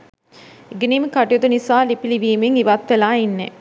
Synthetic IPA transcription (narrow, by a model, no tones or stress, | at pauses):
eɡeniːmekaʈijot̪unisaːlipiliʋiːmeŋiʋat̪ʋelaːinːḛ